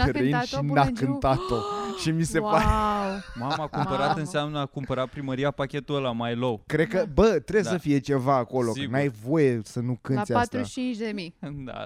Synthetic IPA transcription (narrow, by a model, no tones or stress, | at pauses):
eʃinakɨnt̪at̪oʃimise̞paɾemamakumpəɾat̪ɨnseamnəakumpəɾat̪̚pɾiməɾiapakʲe̞t̪uəlamajloəwkɾe̞d̪̚kəbət̪ɾe̞bjesəfie̞t͡ʃe̞vaːko̞lo̞kənajvo̞jesənukɨnseaat̪ɾt͡ʃint͡ʃd̪emijd̪a̰